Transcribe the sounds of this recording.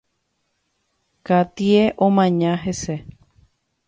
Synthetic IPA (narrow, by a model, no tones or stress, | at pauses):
kat̪ieʔõmãɲãɦese